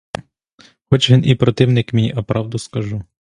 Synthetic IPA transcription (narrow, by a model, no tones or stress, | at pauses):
xɔt͡ʃʋʲinʔipɾɔt̪ɪwnɪkmʲiʔɐpɾɑwd̪ʊskɐʒu